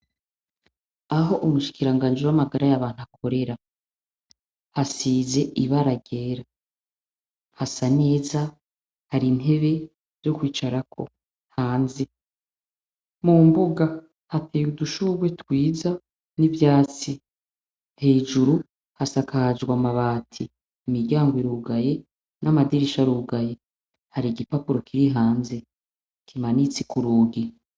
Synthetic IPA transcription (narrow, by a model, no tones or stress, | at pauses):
aɦo̞ʔumuʃi̥kiɾaŋɡaːɲd͡ʒiwamaɡaɾajaβaːn̥uakʰo̞ɾe̞ɾa | hasiːze̞ʔiβaɾaɡe̞ːɾa | hasane̞ːza | haɾin̥e̞βe̞ | z̥o̞kwiːt͡ʃaɾakʰo̞̰ | haːnze | mumbuɡa | hateuduʃuɡwe̞twiːza | nivjaːt͡si | he̞ːd͡ʒuɾu | hasakad͡ʒɡwamaβaːtʰi | imiɾɟaːŋɡwiɾuːɡaje | nʔamadiɾiʃaɾuːɡaje̞ | haɾiɡipapuɾo̞kʰiɾiɦaːnze̞ | kʰimanit͡sikuɾuːɡi